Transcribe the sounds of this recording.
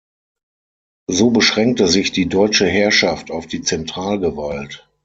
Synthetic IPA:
zoːbəʃʁ̥ɛŋk̚təzɪçd̥iːdɔʏt͡ʃəɦɛɐʃaftaʊfd̥iːt͡sɛntʁ̥aːlɡəvalt

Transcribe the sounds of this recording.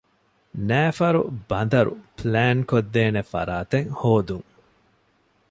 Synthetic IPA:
næːfɐɾṵbɐnd̪ɐɾṵplæːnkod̪ːeːnefɐ̰ɾaːt̪eŋhoːd̪uŋ

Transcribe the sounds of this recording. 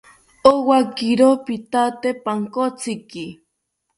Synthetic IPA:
owakiɾopit̪at̪epaŋkot͡siki

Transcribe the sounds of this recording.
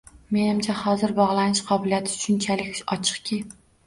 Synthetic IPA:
me̞nɪmt͡ʃʰahɒzɪɾbɒʁlˠanɪʃqʰɒbɪlijat̪ʰɪ̥ʃʊnt͡ʃʰalɪkʲɒt͡ʃʰɨ̥qkʲʰɪ

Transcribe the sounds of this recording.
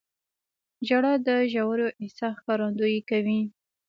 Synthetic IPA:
d͡ʒaɽɑd̪əʒawaɾjoʔɪsɑxkɑɾɑnd̪ujekawi

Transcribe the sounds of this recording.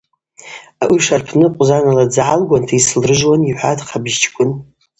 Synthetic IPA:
aʔuʂarpʰnɨqʷʼzanalad͡zʕalɡʷantʰaislrɨʒwaniħʷatʰqʰabʒt͡ʃʰʼkʷʼʊn

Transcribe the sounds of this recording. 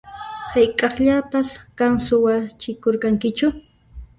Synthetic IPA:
hajkʼɑχʎapaskansʊwat͡ʃɪkoɾkɑŋkɪt͡ʃʊ

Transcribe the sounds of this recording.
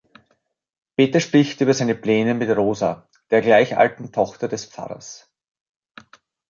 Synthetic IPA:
peːtɐʃpʁ̥ɪçtʔyːbɐzaɪnəplɛːnəmɪtʁoːza | d̥eːɐɡlaɪçʔa̰ltn̩tʰɔχtɐdɛspp͡fa̰ʁɐ̰s

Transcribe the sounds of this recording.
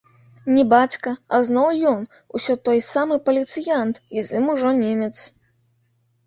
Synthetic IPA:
nʲɛbat͡sʲkɐɐznɔwjɔn | usʲɔt̪ɔjsamɨpɐlʲit̪sɨjant̪izɨmuʐɔnʲemʲɛt̪s

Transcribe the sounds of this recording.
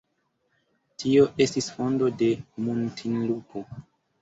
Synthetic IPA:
tʰio̞ʔe̞stisfo̞ndo̞de̞muntʰinlupʰo

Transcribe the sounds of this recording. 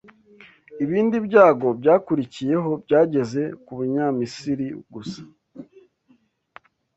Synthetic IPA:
iβiːndibjɟaːɡo̞bɟaːkuɾicije̞ɦo̞bɟaːɟe̞ze̞kuβuɲamisiɾiɡusḁ

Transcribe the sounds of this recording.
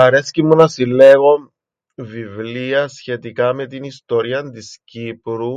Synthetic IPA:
ɐɾe̞scimunɐsilːeɣo | vivliɐsçe̞t̪ikɐme̞t̪inist̪oɾiɐnt̪iscipɾu

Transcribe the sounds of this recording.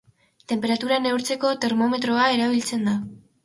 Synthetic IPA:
t̪e̞mpe̞ɾat̪uɾane̞wɾt͡se̞ko̞t̪e̞ɾmo̞me̞t̪ɾo̞ae̞ɾaβ̞ilt͡se̞nd̪a

